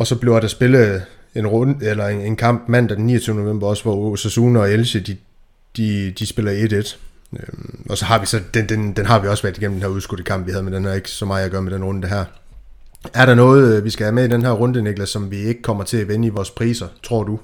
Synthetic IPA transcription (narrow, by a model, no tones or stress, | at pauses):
ɒ̽sɒ̽b̥le̝ʊd̥æsb̥e̝lə | e̝nʁɔnelɐee̝nkʰɑ̈m̰b̥mæn̰d̥æd̥enːḭːɐt͡sʰyːnəno̝ʋḛmb̥ɐɒ̽sʋɒosesuːnɒ̽elɕəd̥i | d̥id̥isb̥e̝lɐed̥ed̥ | ɒ̽sɒ̽ɦɑ̈ʋisɒ̽d̥ed̥end̥enɦɑ̈ʋiɒ̽sʋæɐ̰diɡem̩d̥enhæɐuðˠsɡ̥uɾ̥əkʰɑ̈m̰b̥ʋihæð̞ˠmed̥enhæɐe̝ɡ̥sɒ̽mɑ̈ɪæɡ̥ɶːɐmed̥enʁɔ̽nd̥əɦæɐ̰ | æɐɾɑ̈nɔ̽ːð̞̩ˠʋisɡ̥æhæɐmeid̥enɦæɐ̰ʁɔ̽nd̥əneɡ̥lɐsɒ̽mʋie̝ɡ̥ə̥kʰɒ̽m̰ɐt͡sʰe̝æʋenəiʋɒːspʰʁḭːsɐt͡sʰʁo̝ɐ̰d̥u